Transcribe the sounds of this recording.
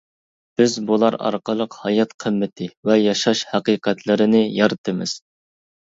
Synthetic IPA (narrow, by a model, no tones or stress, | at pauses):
b̥ɪzbulˠɑɾɑ̰ɾqəlˠəqhɑjɑt̪qʰəmːɪt̪ʰɪvɛjɑʃɑʃhæqiqɛt̪ʰlɪɾɪnɪjɑɾɨt̪ʰɨmɪ̰z̥